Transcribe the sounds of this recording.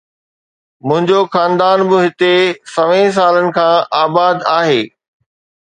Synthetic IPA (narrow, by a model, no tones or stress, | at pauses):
mʊ̃ɦɪ̃ɲd͡ʑoxaːnd̪aːnbɪɦɪt̪esɐʋẽs̬aːlənɪ̆kʰãːʔaːbaːd̪aːɦeː